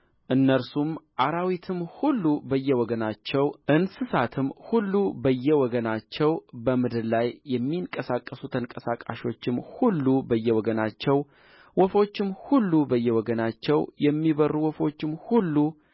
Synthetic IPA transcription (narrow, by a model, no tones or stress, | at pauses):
ʔɨnːəɾsumʔaɾawit̪ʰɨmhulːubəjːɛwɔɡənat͡ʃːɛwʔɨnsɨsat̪ʰɨmhulːubəjːɛwɔɡənat͡ʃːɛwbəmɨd̪ɨdlajːɛmːiɨŋkʼəsakʼːəsut̪ʰəŋkʼəsakʼa̰ʃo̞t͡ʃːɪmhulːubəjːɛwɔɡənat͡ʃːɛw | wɔfo̞t͡ʃːɪmhulːubəjːɛwɔɡənat͡ʃːɛwjɛmːiβərːuwɔfo̞t͡ʃːɪmhulːu